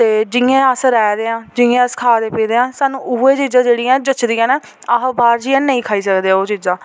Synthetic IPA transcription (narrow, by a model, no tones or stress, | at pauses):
t̪eːd͡ʒɪẽːəsɾɛːɾeːãːd͡ʒɪ̃ẽːəskʰaːd̪eːpiːd̪eːãːsaːnũːuːeːt͡ʃiːzãːd͡ʒeːɽiːãːd͡ʒət͡ʃd̪iːãːnɛː | aːbaːɾd͡ʒiːãːnəĩːkʰaːiːsəkd̪eːãoːt͡ʃiːzãː